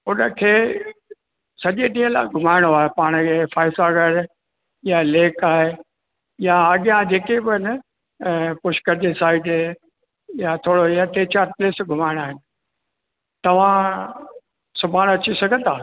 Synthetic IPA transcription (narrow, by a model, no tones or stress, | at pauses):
ʊnəkʰeː | sɐʄeɗĩːə̃la̰ːɪɡʱʊmaːɪɽ̃oaːɦepaːɽ̃kʰeːfaːɪsaɡɐɽ | jaleːkaːɦe | jaɐɠɪjãd͡ʑeːkebɪɪnə | pʊʃkəɾd͡ʑesaːɪɖe | jat̪ʰoːɽojaʈ̪eːt͡ɕaːɾpleːsɡʱʊmaːɪɽ̃aːɦɪnɪ̆ | t̪ɐʋ̤ã | sʊbʱaːnɐt͡ɕisɐɡʱə̃nd̪ʰaː